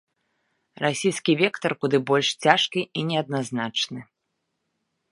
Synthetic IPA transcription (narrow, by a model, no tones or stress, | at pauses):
rasʲijskʲivʲɛkt̪ɐrkud̪ɨbɔlʲʂt͡sʲaʂkʲiʔinʲɛɐd̪̚naznat͡ʂnɨ